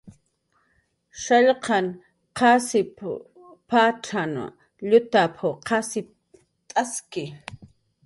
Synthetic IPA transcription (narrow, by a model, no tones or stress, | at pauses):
ʃaʎqɑn | qʰɑsɪpʰ | pʰaːʈ͡ʂʰano̰ | ʎʊt̪apʰoqʰɑsɪp̚ | t̪ʼaskɪ